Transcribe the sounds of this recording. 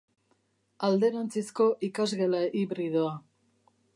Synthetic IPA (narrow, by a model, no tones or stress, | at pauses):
ald̪e̞ɾant͡sisko̞ʔikazɣe̞laʔiβɾið̞oa